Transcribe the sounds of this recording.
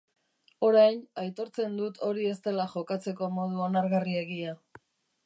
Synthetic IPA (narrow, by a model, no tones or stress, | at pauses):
o̞ɾajnajt̪o̞ɾt͡se̞nd̪ut̪ʰo̞ɾie̞st̪e̞laʝo̞kat͡se̞ko̞mo̞ð̞uonaɾɣarie̞ɣia